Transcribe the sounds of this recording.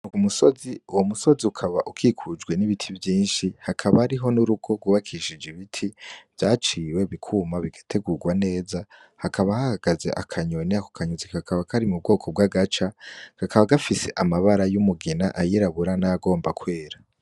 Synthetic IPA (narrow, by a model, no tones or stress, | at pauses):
nukumuso̞ziuwomuso̞ziukʰaβaʔukʰiːkʰud͡ʒɡwe̞niβitʰivjiːnʃihakʰaβahːɾiɦo̞nuɾuɡo̞ɡwuβakʰiʃid͡ʒiβitʰiv̥jaːt͡ʃiːwe̞βikʰuːmaβiɡatʰe̞ɡuɡwane̞ːza | hakʰaβahahaɡ̥aze̞̰ʔa̰kʰaɲoneako̥kʰaɲozikkakaβakʰaɾimub̚ɡo̞ːkʰo̞b̚ɡaɡat͡ʃakakaβaɡafise̞ʔamaβaɾajumuɡinaʔajiɾaβuɾanaaɡo̞ːmbakwe̞ːɾa